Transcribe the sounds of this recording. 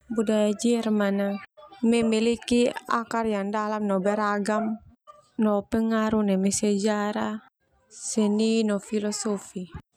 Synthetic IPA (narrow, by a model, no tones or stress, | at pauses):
budajad͡ʒɛrmanamɛmilikia̰karjaŋdalamnɔbɛɾaɡam | nɔpɛŋaɾunɛmɛsɛd͡ʒaɾa | sɛninɔfilɔsɔfi